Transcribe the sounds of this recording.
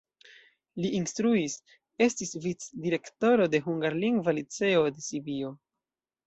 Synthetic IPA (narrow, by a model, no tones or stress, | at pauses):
liʔinstɾuis | e̞stisvit͡sdiɾe̞kto̞ɾo̞de̞ɦuŋɡaɾliŋɡvalit͡se̞o̞de̞sibio̞